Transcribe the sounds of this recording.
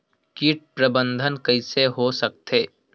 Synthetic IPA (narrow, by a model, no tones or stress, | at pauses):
kiːʈ̚pɾəbə̃nd̪ʱənkɐɪseɦosɐk̚t̪eː